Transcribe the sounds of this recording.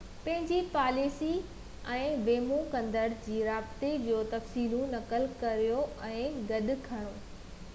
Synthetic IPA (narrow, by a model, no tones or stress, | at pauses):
pɐ̃ɦɪ̃ɲd͡ʑipaːliːsi | ɛ̃ːʋeːmũkɐ̃nd̪əɽd͡ʑiːɾaːbt̪ed͡ʑoːt̪ɐfsiːlũnɐkəlkɐɾijoɛ̃ːɡɐɗʊkʰɐɽ̃oː